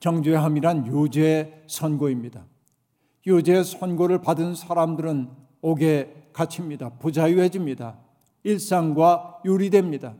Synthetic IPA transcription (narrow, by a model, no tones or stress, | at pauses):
t͡ɕʌŋd͡ʑueɦamiɾanjud͡ʑesʰʌnɡoimɲida | jud͡ʑesʰʌnɡoɾɯɭpadɯnsʰaɾamdɯɾɯn | oɡe̞kat͡ɕʰimɲidapud͡ʑajuɦed͡ʑimɲida | iɭs͈aŋɡwajuɾidwe̞mɲida